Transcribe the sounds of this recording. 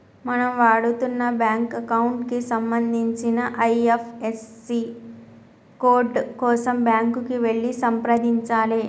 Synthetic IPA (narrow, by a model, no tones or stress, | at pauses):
mɐnɐmʋaːɽut̪unːɐbjaːŋkɐkɐwuɳʈkisɐmbɐnd̪ʱiɲt͡ʃinɐʔɐjepʰesːi | koːɾɖkɔːsɐmbjaːŋkukiʋe̞ɭːisɐmpɾɐd̪iɲt͡ʃaːli